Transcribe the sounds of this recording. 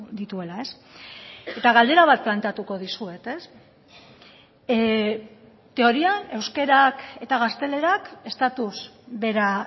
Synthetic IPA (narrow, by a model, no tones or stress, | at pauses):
d̪it̪ue̞lae̞s | e̞t̪aɣald̪e̞ɾaβ̞at̪̚plant̪eat̪uko̞ðisue̞t̪e̞s | t̪e̞o̞ɾiane̞wske̞ɾake̞t̪aɣ̞ast̪e̞le̞ɾake̞st̪at̪uzβe̞ɾa